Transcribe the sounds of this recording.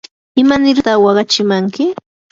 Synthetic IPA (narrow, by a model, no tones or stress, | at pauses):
ɪmanɪɾt̪ɑχwɑɢɑt͡ʃɪmaŋkɪ